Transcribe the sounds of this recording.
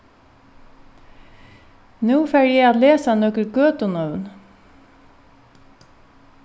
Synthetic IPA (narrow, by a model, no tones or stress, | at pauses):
nʉːfæɹjeɪɑːt̪leːsɑnɔkəlɡøːt̪ʊnœʋn